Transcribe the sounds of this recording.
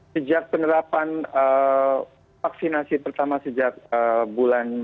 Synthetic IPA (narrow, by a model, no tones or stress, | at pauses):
səd͡ʒak̚pənəɾapanə | faksinasipərt̪amasəd͡ʒak̚əbulan